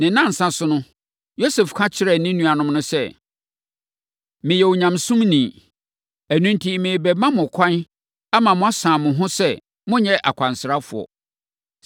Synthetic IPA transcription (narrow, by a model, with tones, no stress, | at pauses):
nɪ̃˨nã˦˨n̩˨sã˦sʊ˦nʊ̃˦ | jo˦se˨fkʰã˦t͡ɕʰɪ˦ɾɛ˦˨nĩ˦nũ˦a˨nʊ̃˦mnʊ̃˦sɛ˦ | mɪ̃˨jɛ˨wo˨ɲã˨msũ˦mnĩ˨ | æ˨nũ˦ntʰi˦mɪ̃˨bɛ˨mã˦mʊ̃˨kʷʰã˦n | a˦mã˨mʊ̃˦a˦sã˨mʊ̃˨ɦʊ̃˦sɛ˦ | mʊ̃˦ɲɛ˦ʔa̰˨kʷʰã˨nsɾa˦fʊ̰˨ɔ̰˨